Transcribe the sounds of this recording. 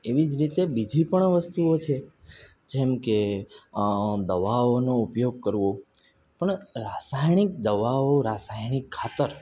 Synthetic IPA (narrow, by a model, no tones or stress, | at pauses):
eʋid͡ʒɾit̪ebid͡ʒʱipəɳʋəst̪uot͡ʃʰe | d͡ʒɛmke | d̪əʋaonoupjoɡ̚kəɾʋo | pəɳɾasajɳ̃ik̚d̪əʋaoɾasajñikʰːat̪əɾ